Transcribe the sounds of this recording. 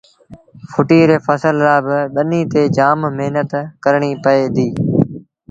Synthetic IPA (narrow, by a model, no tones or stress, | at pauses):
fʰʊʈiːɾeːfʰəsəlɾaːbɪɓəniːt̪eːd͡ʒaːmmeɦnət̪kəɾɳiːpəeːd̪iː